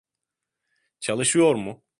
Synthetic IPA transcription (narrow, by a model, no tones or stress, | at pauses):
t͡ʃʰalˠɯʃɯjo̞ɾmʊ